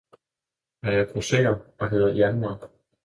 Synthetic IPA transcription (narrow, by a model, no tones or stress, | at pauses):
æjɑb̥ʰʁosḛɐɒ̽ɦe̝ðˠɐjænmɑ̈ːɡ̥